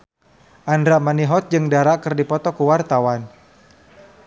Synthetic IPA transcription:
ʔandɾaʔmaniɦɔt̪̚d͡ʒɨŋdaɾaʔkərdipɔt̪ɔkuwart̪awan

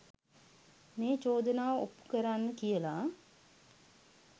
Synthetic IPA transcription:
meːt͡ʃoːd̪ənaːʋəopːu̥kəɾanːəkijəla

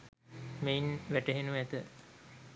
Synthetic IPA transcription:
meinʋæʈəɦenuæt̪ə

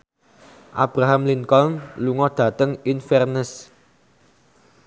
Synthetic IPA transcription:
ʔa̰b̥ɾaɦamliŋkɔnluŋɔd̪̥ä̤t̪əŋinfɛrnəs

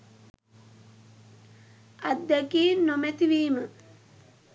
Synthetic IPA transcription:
at̪d̪ːɛkiːnːomet̪iʋiːmə

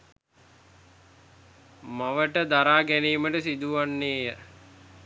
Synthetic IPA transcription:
maʋəʈəd̪aɾaːɡæniːməʈəsid̪uʋanːeːjə

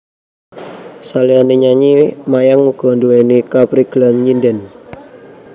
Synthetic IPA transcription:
salianiɲaɲimajaŋuɡ̥ɔ̤nduenikapɾiɡ̥lanɲindɛn

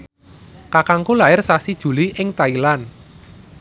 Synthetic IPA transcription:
kakaŋkulaɪrsasid̥ʒ̥ṳliʔɪŋt̪ailan

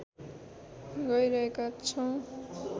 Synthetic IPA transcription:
ɡʌjɾʌɦekat͡sʰʌw̃

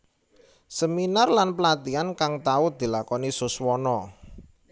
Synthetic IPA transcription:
səminarlanpəlat̪iankaŋt̪aʊd̪̥i̤lakɔnisʊswɔnɔ

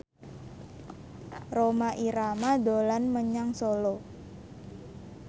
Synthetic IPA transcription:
romaʔiɾamadolanməɲaŋsolo

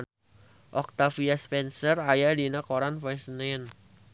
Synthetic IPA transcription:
ʔɔk̚t̪afiaspɛnsərajadinakoɾanfajsnɛn

